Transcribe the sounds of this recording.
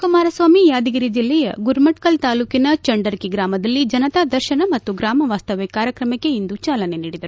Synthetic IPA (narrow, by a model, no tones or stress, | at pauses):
kɐmaːɾɐsʋaːmijaːd̪iɡiɾid͡ʒilːɛjɐ̰ɡuɾmɐʈkɐlt̪aːluːkinɐt͡ʃɐɳɖɐɾkiɡɾaːmɐd̪ɐlːid͡ʒɐnɐt̪aːd̪ɐɾʃɐnɐmɐt̪ːuɡɾaːmɐʋaːst̪ɐʋekaːɾjɐkɾɐmɐkːe̞ind̪ut͡ʃaːlɐne̞niːɽid̪ɐɾu